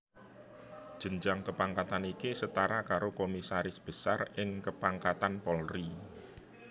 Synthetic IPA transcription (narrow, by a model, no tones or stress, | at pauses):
d̥ʒ̥ə̤ɲd͡ʒaŋkəpaŋkat̪anikisət̪aɾakaɾokomisaɾɪsb̥ə̤sarɪŋkəpaŋkat̪anpɔlri